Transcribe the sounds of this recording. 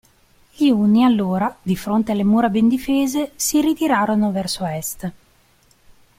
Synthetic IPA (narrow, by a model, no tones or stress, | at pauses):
ʎiuːnialːoːɾad̪ifɾont̪ealːemuːɾabend̪ifeːzesirit̪iɾaːɾonovɛrsoɛst̪